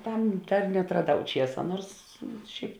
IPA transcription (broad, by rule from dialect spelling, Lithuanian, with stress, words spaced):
ˈtɐm ˈdɐr nʲɛɐtrɐˈdɐʊ ˈt͡ʃʲiɛsɐ ˈnuɔrs ˈʃʲɛɪp